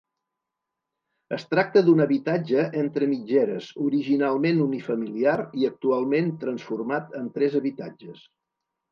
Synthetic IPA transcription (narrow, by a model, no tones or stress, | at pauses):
əst̪ɾak̚t̪əd̪unəβit̪ad͡ʒəʔɛnt̪ɾəmid͡ʒɛɾəzuɾiʒinalˠmenunifəmiliariək̚t̪ualˠment̪ɾənsfurmat̪ənt̪ɾɛzəβit̪ad͡ʒəs